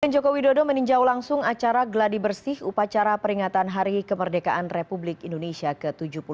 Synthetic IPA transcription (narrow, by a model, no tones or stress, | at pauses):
and͡ʒokowidodoməniɲd͡ʒawlaŋsʊŋat͡ʃaɾaɡladibərsɪhupat͡ʃaɾapəɾiŋat̪anɦaɾikəmərdekaʔanrepublɪkindonesiakət̪ud͡ʒupu